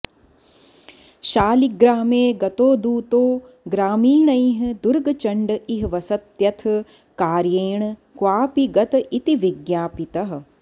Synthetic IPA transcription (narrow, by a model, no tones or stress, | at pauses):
ʃaːliɡɾaːmeːɡɐt̪oːd̪uːt̪oː | ɡɾaːmiːɳɐjɦ̆d̪uɾɡɐt͡ʃɐɳɖɨiɦʋɐsɐt̪jɐt̪ʰ | kaːɾjeːɳkwaːpiɡɐt̪ɐʔit̪iʋiɡjaːpit̪ɐɦɐ̆